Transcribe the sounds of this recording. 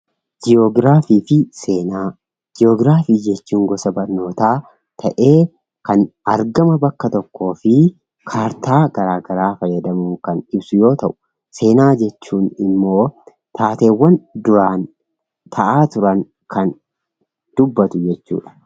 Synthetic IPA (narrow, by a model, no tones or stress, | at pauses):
d͡ʒɪoɡɾaːfiːfɪseːnaː | d͡ʒɪoːɡɾaːfiːd͡ʒɛt͡ʃːuːŋɡɔsɐbɐɾno̞ːt̪aː | t̪ʰɐʔe̞ː | kɐnɐɾɡɐmɐbɐkːɐt̪ɔkːo̞ːfɪ | kʰaːɾt̪aːɡ̥ɐɾaːɡɐɾaːfɐjːɐd̪ɐmʊŋkɐnɪbsʊjo̞ːt̪ɐʔʊ̥ | se̞ːnaːd͡ʒɛt͡ʃːuːnɪmːo̞ː | t̪ʰaːt̪e̞ːwːɐnd̪ʊɾaːn | t̪ʰɐʔaːt̪ʊɾɐŋ | kʰɐn | d̪̥ʊbːɐt̪ʊd͡ʒɛt͡ʃːṵːᶑɐ̥